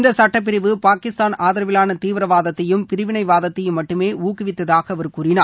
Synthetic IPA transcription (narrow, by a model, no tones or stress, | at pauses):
nd̪ɐsɐʈːɐp̬ːɪɾɪʋɯpaːkɪst̪aːnaːðɪɾɐʋɪlaːnɐt̪iːʋɪɾɐʋaːðɐt̪ːɐjɯmpɪɾɯʋɪnɐɪʋaːðɐt̪ːɐjɯmːɐʈːɯmeːʔuːkːɪʋɪt̪ːɐðaːɣɐɐʋɐɾɯkuːɾɪnaː